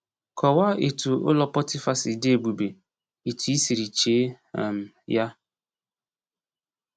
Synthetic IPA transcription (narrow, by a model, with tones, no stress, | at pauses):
kɔ˨wa˦e˨tu˨ʊ̰˦lɔ˨pɔ˦tɪ˦fa˦sɪ˨de˦e˨bu˨be˨ | e˨tu˨i˦si˨ɾi˨t͡ʃe˨˦ | a˨m̩˨ | ja˦